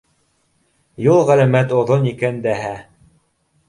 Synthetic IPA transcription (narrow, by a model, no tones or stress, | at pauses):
julˠʁælæmæt̪ŏðonikænd̪æɦæ